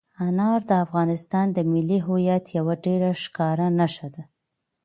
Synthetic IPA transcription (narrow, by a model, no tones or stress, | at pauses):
anɑɾd̪əafɣɑnɪst̪ɑnd̪əmɪlːiɦojat̪jawaɖeɾaʃkɑɾanaʃad̪a